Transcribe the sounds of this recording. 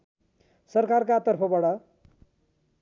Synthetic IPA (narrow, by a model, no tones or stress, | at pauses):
sʌrkarkat̪ʌrpʰʌbʌɽʌ